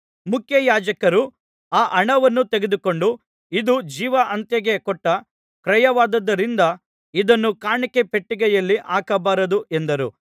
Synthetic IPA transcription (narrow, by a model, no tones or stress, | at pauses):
mukʰjɐjaːd͡ʒɐkɐɾu | aːʔɐɳɐʋɐnːut̪eɡed̪uko̞ɳɖu | id̪ud͡ʒiːʋɐʔɐnt̪jɐɡe̞kɔʈːɐ | kɾɐjɐʋaːd̪ɐd̪ːɐɾind̪ɐ | id̪ɐnːukaːɳikepeʈːiɡɛjɐlːiʔaːkɐbaːɾɐd̪uʔend̪ɐɾṵ